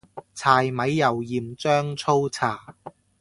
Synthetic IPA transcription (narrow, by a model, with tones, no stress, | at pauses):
t͡sʰaː˨˧jmɐ˨˧˥jːɐ˨˩wjiː˨˩mt͡sœː˥ŋt͡sʰo˥wt͡sʰaː˨˩